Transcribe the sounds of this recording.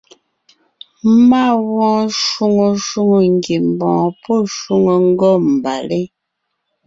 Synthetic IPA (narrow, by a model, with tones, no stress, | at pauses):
ma˦˨wɔ̃ː˦ʃwu˦ŋo˨ʃu˦ŋo˨ŋ̩˨ɡe˨m˨bɔ̃ː˨pɔ˦˨ʃwu˦ŋo˨ŋ̩˦ɡɔ˦˨m̩˨ba̰˨le˦